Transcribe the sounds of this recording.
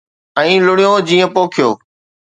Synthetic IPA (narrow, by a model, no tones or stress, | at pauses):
ɛ̃ːlʊɽijõːd͡ʑiːə̃poːkʰɪjoː